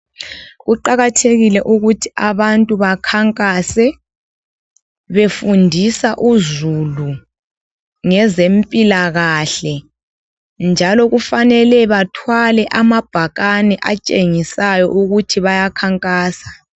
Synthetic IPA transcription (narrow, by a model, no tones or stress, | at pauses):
ɣuǃaɣatʰeɣilɛʔuɣutʰi̥aβantʼuβakʰaŋkʼasɛ | βefundʱisaʔuzulu | ŋɛzempʼilaɣaɬɛ | nd͡ʒʱalɔɣufanɛlɛβatʰwalɛʔamab̥ʱaɣanɛʔat͡ʃʼeŋisajɔ̰ʔuɣutʰiβajakʰaŋkʼaːsḁ